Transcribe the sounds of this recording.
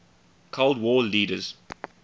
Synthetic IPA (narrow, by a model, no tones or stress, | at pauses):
kʰolˠdwɔːliːdəz̥